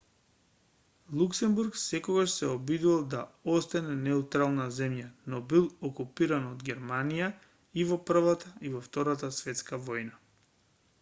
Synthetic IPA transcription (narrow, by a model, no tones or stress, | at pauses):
lˠuksɛmbuɾksɛkɔɡaʃsɛɔbid̪uvalˠd̪aɔst̪anɛnɛut̪ɾalˠnazɛmjanɔbilˠɔkupiɾanɔd̪ɡʲɛɾmanija | ivɔpr̩vat̪aivɔft̪ɔɾat̪asvɛt̪skavɔjna